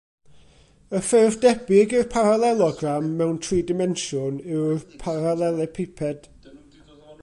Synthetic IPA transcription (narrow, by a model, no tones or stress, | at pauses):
əfɪrvdɛbɪɡɪrpʰaɾalˠɛlˠɔɡramːɛwntʰriːdɪmɛnʃʊnɪwrpʰaɾalˠɛlˠɛpʰepʰɛd̥